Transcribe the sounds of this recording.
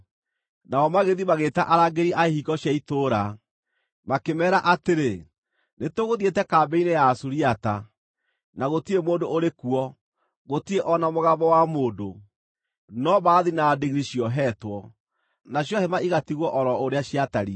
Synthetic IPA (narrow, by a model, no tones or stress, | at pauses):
naɔmaɣeðimaɣeːtaʔaɾaːɡeɾiʔaehiɡɔɕjaitoɾa | makemɛːɾaʔateɾe | netoɣoðietɛkaːbɛinejaːsuɾiata | naɣotiemoːdoʔoɾekuɔ | ɣotieʔɔnamoɣaβɔwamoːdo | nɔβaːðinadeɣɾiɕiɔɦɛtwɔ | naɕjɔhɛmaʔiɣatiɣwɔʔɔɾɔoɾeaɕiataɾi